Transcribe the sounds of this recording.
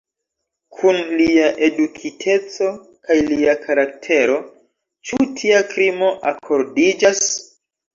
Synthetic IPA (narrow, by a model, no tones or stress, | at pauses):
kʰunliaʔe̞dukʰitʰe̞t͡so̞ | kajliakʰaɾak̚tʰe̞ɾo̞ | t͡ʃutʰiakɾimo̞ʔakʰo̞ɾdid͡ʒas